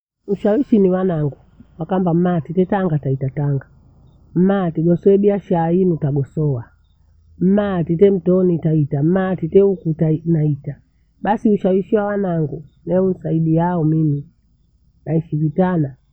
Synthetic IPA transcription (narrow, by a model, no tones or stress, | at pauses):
uʃawiʃiniwanaŋɡu | wakambam̩matitɛtaŋɡataitataŋɡa | mmatiɡɔsɔɛɓiaʃaɾainutaɡɔsɔwa | m̩matitɛm̩tɔnitaitam̩matitɛukutanaita | ɓasiuʃawiʃiwawanaŋɡunɛun̩saiɗijaɔmimi | naiʃivitana